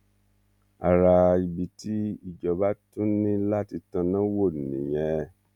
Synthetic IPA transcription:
a˨ɾa˧i˨bi˨ti˦i˦˨d͡ʒɔ˨ba˨˦tũ˦nĩ˦la˦ti˧tã˧nã˦wo˦˨nḭ̃˨jɛ̃˧

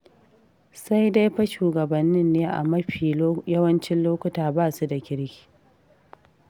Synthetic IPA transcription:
sa˦jda˦jɸɐ˦ʃuː˨ɡɐ˨bɐ˨nːɪ˦nːeː˦ʔa̰˨mɐ˦ɸiː˨jɐ˦wɐ˦nt͡ʃɪ˦nloː˦kʷʊ˦taː˨baː˦˨su˦da˨kʲɪ˦ɾkʲi̥ː˨

